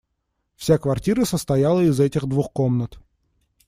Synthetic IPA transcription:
fsʲakvɐrtʲiɾəsəst̪ɐjalˠəɪzɛtʲɪɣd̪vuxkomnət̪

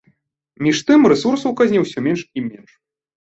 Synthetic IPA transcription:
mʲiʂt̪ɨmrɛsursɐwkazʲnʲɛwsʲɔmʲɛnʂimʲɛnʂ

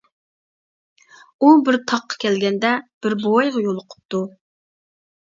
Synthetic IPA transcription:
ubɪɾt̪ʰɑqʰːɑ̥kʲɛlɡʲɛnd̪ɛb̥ɪɾbowɑjʁɑjolˠʊqʰʊ̥p̚t̪u

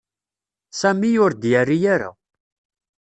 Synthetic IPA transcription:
sæmijʊɾd̪jærːijaɾa̰

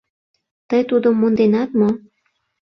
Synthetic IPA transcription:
t̪əjt̪ud̪əmːund̪enɑt̪mo

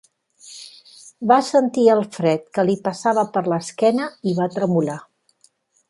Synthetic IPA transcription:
basənt̪iəlˠfɾɛt̪kəlipəsaβəpəɾləskɛnəiβat̪ɾəmula

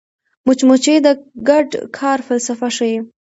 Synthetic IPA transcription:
mʊt͡ʃmut͡ʃed̪əɡaɖkʰɑɾfalsafaʂaj

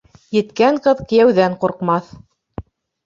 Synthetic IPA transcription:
jɘ̆t̪kæɴqɤðkɘ̆jæwðæɴquɾqmɑθ

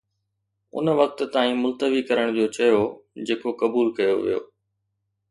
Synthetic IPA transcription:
ʊ̰nʋɐk̚t̪̆t̪aːĩːmʊlt̪əʋikɐɾəɽ̃d͡ʑoːt͡ɕɐjod͡ʑeːkokɐbuːlkɐjoʋḭjo̰ː

